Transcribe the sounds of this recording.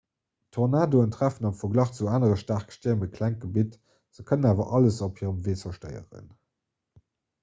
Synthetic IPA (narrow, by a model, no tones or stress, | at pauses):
tʰoʁnaːdoəntʁæfənɑmfɐɡlɑχt͡suaːnəʁəʃtaχkə̥ʃtiɐməkʰlæŋ̚ɡ̥əbit | z̥əkʰənənaːvɐʔɑləsophiːəʁəmveːsɐʃtə̰ɪə̰ʁə̰n